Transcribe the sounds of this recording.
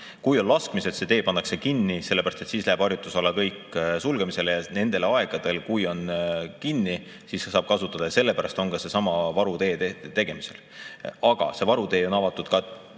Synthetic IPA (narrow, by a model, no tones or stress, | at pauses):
kujo̞nlɑskmiset̪se̞t̪e̞ːpɑnːɑkse̞kinːise̞lːeæɾɑst̪et̪siːslæːb̥ɑrjut̪ːˑusɑlːɑkɤjkˑsulɡ̥e̞mise̞lejɑne̞nd̪̥e̞lɑeɡ̥ɑd̪̥e̞lkujo̞nkinːi | siːsːesɑːb̥̚kɑsut̪ːˑɑd̪̥ɑjɑse̞lːepæɾɑst̪o̞nkɑse̞sɑmɑvɑɾut̪e̞ːet̪e̞ɡ̥e̞mise̞l | ɑɡ̥ɑ̰se̞vɑɾut̪eːo̞nɑvɑt̪ːˑud̪̥kɑ